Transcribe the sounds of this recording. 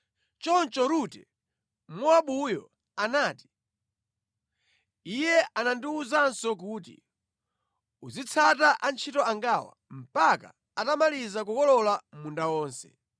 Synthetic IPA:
t͡ʃɔnt͡ʃɔɾutɛ | mɔaɓujɔ | anaːti̥ | ijɛʔanandiuzansɔk̬uːt̬ḭ | uzit͡sʰataʔant͡ʃʰitɔaŋɡaːwa̰m̩paka̰ | atamalizak̬ukɔlɔlamundawɔːnsɛ̰

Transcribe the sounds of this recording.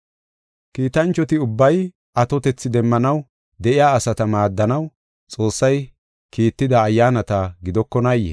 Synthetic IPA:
kiːt̪ɐnt͡ʃːɔt̪ɪʊbːɐj | ɐt̪ɔt̪ɛt͡sːɪd̪ɛmːɐnɐw | d̪ɛʔɪjaːɐsɐt̪ɐmaːd̪ːɐnɐw | t͡sʼo̞ːsːɐj | kiːt̪ːɪd̪ɐːjːaːnɐt̪ɐɡɪd̪ɔkːɔnɐjːɛ̰

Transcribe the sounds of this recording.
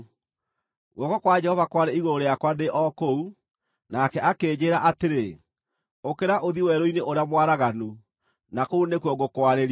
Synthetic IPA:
ɣɔkɔkwad͡ʒɛhɔvakwaɾeiɣoɾoɾejakwandeʔɔkou | nakɛʔakeːd͡ʑeːɾaʔateɾe | okeɾaʔoðiwɛɾoineʔoɾeamwaɾaɣanu | nakounekwɔɡokwaɾeɾ

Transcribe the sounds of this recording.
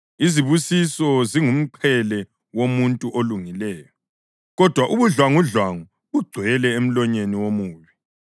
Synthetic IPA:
iziβusisɔziŋum̩ǃʰɛlɛ | womuntʼuʔoluŋilɛːjɔ | ɣɔd̥ʱwaʔuβuɮwaŋuɮwaŋu | βuɡ͡ǀʱwɛlɛem̩lɔɲeniwomuːβi

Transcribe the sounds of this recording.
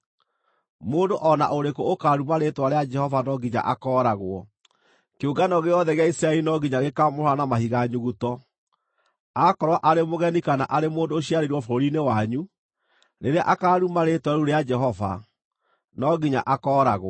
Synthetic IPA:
moːndoʔɔna̰ʔoɾekookaɾumaɾetwaɾead͡ʒɛhɔvanɔɡiɲa̰ʔakɔːɾaɣwɔ | keuɡanɔɣeɔðɛɣeaisɾaɛlinɔɡiɲaɣekamohɔɾanamahiɣaɲuɣutɔ | akɔɾwaʔaɾemoɣɛnikana̰ʔaɾemoːndoːɕiaɾeɾwɔfoɾoɾinewaɲu | ɾeɾea̰ʔakaːɾumaɾetwaɾuɾead͡ʒɛɦɔva̰ | nɔɡiɲa̰ʔakɔːɾaɣwɔ

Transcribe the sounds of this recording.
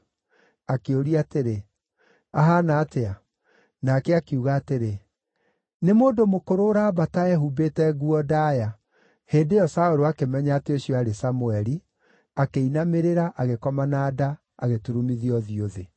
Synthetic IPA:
akeoɾiateɾe | aɦanaːtea | nakɛakeuɣaːteɾe | nemoːdomokoɾoɾaːβataɛɦubetɛɣuɔdaja | heːdejɔsaoɾoakemɛɲaateoɕiɔaɾesamuɛɾi | akeinameɾeɾaʔaɣekɔmanaːda | aɣetuɾumiðiɔðioðe

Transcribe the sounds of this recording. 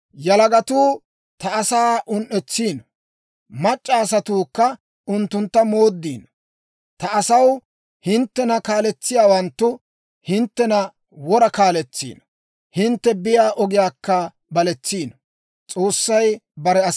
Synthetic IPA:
jɐlɐɡɐt̪uː | t̪ɐːsaːʔʊnʔɛt͡sːiːnɔ | mɐt͡ʃʼːaːs̬ɐt̪uːkːɐ | ʊnt̪ːʊnt̪ːɐmo̞ːd̪ːiːn | t̪ɐːsɐw | hɪnt̪ːɛnɐkaːlɛt͡sːɪjaːwɐnt̪ːʊ | hɪnt̪ːɛnɐ | wɔɾɐkaːlɛt͡sːḭːnɔ | hɪnt̪ːɛbɪjaːʔɔɡɪjaːkːɐ | bɐlɛt͡sːiːnɔ | t͡sʼo̞ːsːɐjbɐɾɛɐ

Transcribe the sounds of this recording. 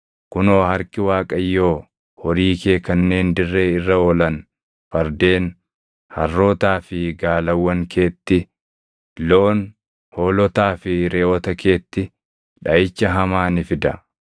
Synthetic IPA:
kʊno̞ːhɐɾkɪwaːkʼɐjːo̞ː | hɔɾiːkeːkɐnːe̞ːnd̪ɪrːe̞ːɪrːɐoːlɐn | fɐɾd̪e̞ːn | hɐrːo̞ːt̪aːfɪɡaːlɐwːɐŋkʰe̞ːt̪ːɪ | loːn | hoːlɔt̪aːfɪɾeːʔɔt̪ɐke̞ːt̪ːɪ | ᶑɐʔɪt͡ʃːɐɦɐmaːnɪfɪd̪ɐ

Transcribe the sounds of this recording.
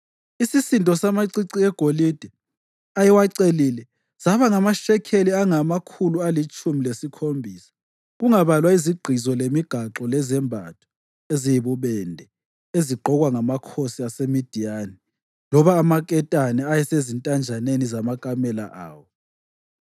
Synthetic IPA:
isisintʼɔsamaǀiǀiɛɡ̥ʱolid̥ʱɛ | ajɛwaǀelilɛ | z̥aβaŋamaʃɛkʰeliaŋamakʰulualit͡ʃʼumilesikʰombʱiːsḁ | ɣuŋaβalwaiziɡ͡ǃʱizɔlemiɡ̥ʱaǁɔlɛzɛmbʱa̰tʰɔ̥ | ezijiβuβɛndʱɛ | eziɡ͡ǃʱɔɣwaŋamakʰosiasemid̥ʱijani | lɔβaːmakʼɛtʼanɛajɛsezintʼand͡ʒʱanenizamakʼamɛla̰ʔa̰ːwɔ

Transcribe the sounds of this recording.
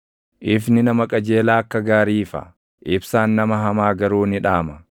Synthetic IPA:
ʔɪfnɪnɐmɐkʼɐd͡ʒe̞ːlaːɐkːɐɡaːɾiːfɐ̰ | ʔɪbsaːnːɐmɐɦɐmaːɡɐɾuːnɪᶑaːmɐ

